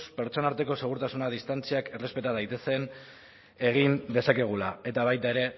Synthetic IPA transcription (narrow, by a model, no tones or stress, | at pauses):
spe̞ɾt͡so̞naɾt̪e̞ko̞se̞ɣ̞uɾt̪asunað̞ist̪ant͡siake̞re̞spe̞t̪aðajt̪e̞se̞n | e̞ɣ̞ind̪e̞sake̞ɣ̞ulae̞t̪aβ̞ajt̪ae̞ɾe̞